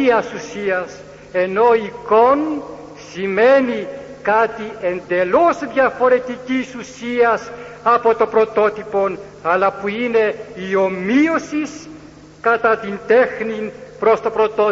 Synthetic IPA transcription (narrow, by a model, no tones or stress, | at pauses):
iɐsusiɐs | e̞no̞iko̞n | sime̞ni | kɐt̪ie̞nd̪e̞lo̞zðʝɐfo̞ɾe̞t̪icisusiɐsɐpo̞t̪o̞pɾo̞t̪o̞t̪ipo̞n | ɐlɐpuine̞io̞mio̞sis | kɐt̪ɐt̪ind̪e̞xninpɾo̞st̪o̞pɾo̞t̪o